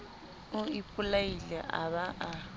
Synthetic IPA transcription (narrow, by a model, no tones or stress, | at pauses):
uipʰʼulailɛʔa̰βaʔa